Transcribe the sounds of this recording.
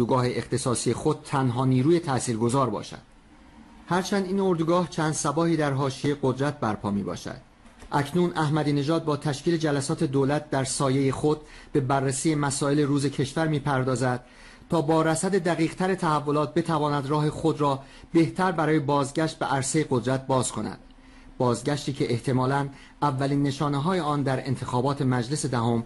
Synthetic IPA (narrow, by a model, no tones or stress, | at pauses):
uɡɒːɦe̞ʔeχt̪ʰe̞sɒːsije̞xo̞d̪̥̚t̪ʰːænɦɒːniːɾuːje̞t̪ʰæsiːɾɡo̞zɒːɾbɒ̰ːʃæ̰d̪̥ | hæɾt͡ʃʰænd̪iːno̞ɾd̪uɡɒːht͡ʃʰæːnd̪̥sæbɒːhiːd̪æɾɦɒːʃijeɡod̪ɾæt̪̚ʰbæɾpʰɒːmiːbɒ̰ːʃæ̰d̪̥ | ʔæcʰnuːnʔæhmæd̪iːne̞ʒɒːd̪̚bɒːt̪ʰæʃkiːle̞d͡ʒælæsɒːt̪ʰe̞d̪oːlæt̪̚ʰd̪æɾsɒːje̞jexod̪̚be̞bærːesiːje̞mæsɒːe̞le̞ɾuːze̞cʰe̞ʃvæɾmiːpʰæɾd̪ɒːzæd̪̥̚ | t̪ʰɒːbɒːɾæsæd̪e̞d̪æɣiːɣt̪ʰæɾet̪ʰæhævːo̞lɒːt̪̚be̞t̪ʰævɒːnæd̪rɒːɦe̞xo̞d̪ɾɒː | be̞ht̪ʰæɾbæɾɒːje̞bɒːzɟæʃt̪̚beʔæɾsejeɣo̞d̪ɾæt̪̚bɒːz̥kʰo̞næ̰d̪̥ | bɒːzɟæʃt̪iːcʰe̞ʔeht̪ʰe̞mɒːlæn | ʔævːæliːnːe̞ʃɒːneɦɒːjeɒːnd̪æɾe̞̰nt̪ʰe̞xɒːbɒːt̪ʰe̞mæd͡ʒle̞sed̪æɦo̞m